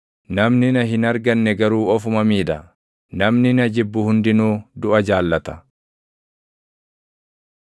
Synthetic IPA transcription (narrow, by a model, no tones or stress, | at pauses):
nɐmnɪnɐɦɪnɐɾɡɐnːɛɡɐɾuːɔfʊmɐmiːᶑ̪ɐ | nɐmnɪnɐd͡ʒɪbːʊhʊnd̪ɪnuːd̪ʊʔɐd͡ʒaːlːɐt̪ɐ̥